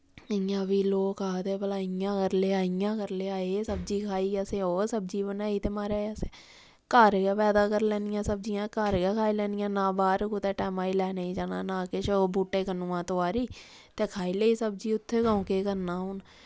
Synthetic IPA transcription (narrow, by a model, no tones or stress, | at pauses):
əjãːbiːloːkʰaːt̪eːbəlaːɪjãːkəɾleːaːɪjãːkəɾleːaːeːsəbd͡ʒiːkʰaːiːəseːoːsəbd͡ʒiːbənaːiːt̪eːmaːɾaːəseː | kəɾɡːpɛːd̪aːkəɾlɛːnɪjãːsəb̚d͡ʒijãːkəɾɡɛːkʰaːiːlɛːnɪjãːnãːbaːɾkut̪eːʈɛːmãːiːlɛːnəĩːd͡ʒaːna̰ːnãːkɪʃʰbuːʈːeːkənuːãːt̪oaːɾiː | t̪eːkʰaːiːleːiːsəbd͡ʒiːʊt̪ʰːeːkaːũːkeːkəɾnaːɦʊːn